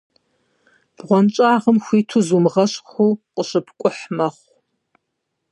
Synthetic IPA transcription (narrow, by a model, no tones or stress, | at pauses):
b̥ʁʷɔnt͡ʃʼaːʁəmxʷiːtʰuzumʁɐɕʼxʷuːqʼəɕɨpʰkʷʼʊħmɐχʷ